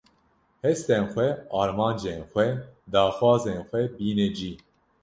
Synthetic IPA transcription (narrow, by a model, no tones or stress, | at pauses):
hɛst̪enxʷɛɑːɾmɑːnd͡ʒeːnxʷɛd̪ɑːxwɑːzeːnxʷɛbiːnɛd͡ʒiː